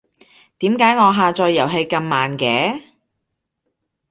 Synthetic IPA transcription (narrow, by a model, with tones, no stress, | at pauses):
t̪iː˨˥mkaː˨˥jŋɔː˨˧ɦaː˨˧t͡ʃɔː˧jːɐ˨˩wɦe˧jkɐ˧mːaː˨nkɛː˨˥